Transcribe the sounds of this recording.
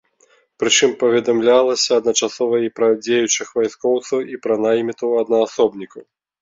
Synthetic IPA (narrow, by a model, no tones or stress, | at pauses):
pɾɨt͡ʂɨmpɐvʲɛd̪amlʲalˠɐsʲɐːd̪nɐt͡ʂasɔvɐipɾɐd͡zʲejut͡ʂɨxvajskɔwt̪sɐwipɾɐnajmʲit̪ɐwɐd̪nɐːsɔbnʲikɐw